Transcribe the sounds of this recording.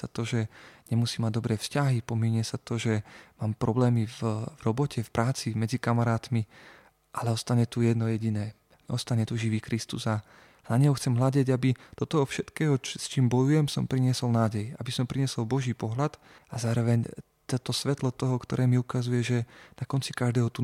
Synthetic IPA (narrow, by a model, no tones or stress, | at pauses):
sat̪ɔʒɛɲɛmusiːmaɟ̚d̪ɔbɾɛːfscaɦipɔmiɲɪɛsat̪ɔʒɛmaːmpɾɔblɛːmivvɾɔbɔcʰɛfpɾʔaːt͡simɛd͡zikamaɾaːt̪mi | ʔalɛɔst̪aɲɛt̪ujɛd̪nɔjɛɟinɛː | ʔɔ̰st̪aɲɛt̪uʒiʋiːkɾist̪uza | naɲɛɦɔxt͡sɛmɦlaɟɛɟabit̪ɔt̪ɔɔfʃɛt̪kɛːɦɔst͡ʃiːmbɔjujɛmsɔmpɾiɲɪɛsɔlnaːɟɛja̰bisɔmpɾiɲɪɛsɔlbɔʒiːpɔɦlat̪ | azaːɾɔʋɛɲ | t̪ɔt̪ɔsʋɛt̪lɔt̪ɔɦɔkt̪ɔɾʔɛːmiukazujɛʒɛnakɔnt͡sikaʒd̪ɛːɦɔt̪u